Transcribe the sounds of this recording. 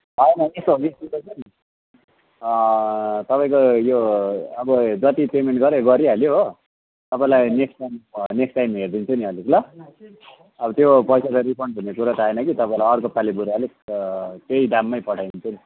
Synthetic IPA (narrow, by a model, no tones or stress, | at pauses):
ɦʌenʌest̪oɦoɡistut̪ʌt͡sʰʌnin | t̪ʌpaĩkojoʌbʌd͡zʌt̪ipemeɳʈɡʌɾeɡʌɾiɦaljoɦo | t̪ʌpaĩlajneksʈajmneksʈajmɦerd̪int͡sʰʌniʌlikula | ʌbʌt̪jopʌjsakaɾipʰʌɳɖʱunːekuɾat̪aaenʌkit̪ʌpaĩlajʌɾkopalibuɾaali | t̪eiɖamːʌjpʌʈʰajnt͡sʰuni